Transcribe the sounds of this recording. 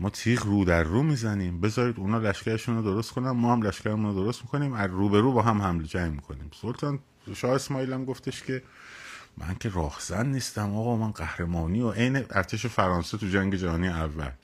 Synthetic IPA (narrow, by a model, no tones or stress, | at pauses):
mɒːt̪ʰiːʁruːd̪æɾːuːmiːzæniːmbe̞zɒːɾiːd̪uːnɒːlæʃcæɾeʃuːnod̪o̞ɾost̪kʰo̞nænmɒːhæmlæʃcæɾemunod̪o̞ɾost̪miko̞niːmæzɾuːbe̞ɾuːbɒːɦæmhæmled͡ʒæjmiːkʰo̞niːmsolt̪ʰɒːn | ʃɒːhesmɒːiːlæmɡoft̪eʃcʰʲe̞ | mʔæ̰ŋkʰe̞ɾɒːhz̥ænːiːst̪æmɒːɣɒːmænɢæhɾe̞mɒːniːoʔejneʔæɾt̪ʰe̞ʃ̬e̞fæɾɒːnset̪ʰud͡ʒæŋɟe̞d͡ʒæhɒːniːjeævːæ̰l